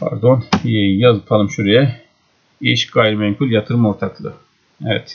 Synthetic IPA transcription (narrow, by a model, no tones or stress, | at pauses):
pʰa̰ɾd̪onejazpʰalˠɯmʃuɾijɛ | iʃɡajɾmɛmkʰulʲjat̪ʰɯɾɯmoɾt̪ʰaklˠɯ | ɛvɛ̰t̪